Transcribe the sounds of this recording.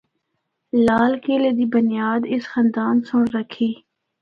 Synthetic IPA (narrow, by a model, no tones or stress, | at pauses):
laːlkeːleːd̪iːbʊnɪjaːd̪ɪsxə̃nd̪aːnsʊ̃ɾəkʰːiː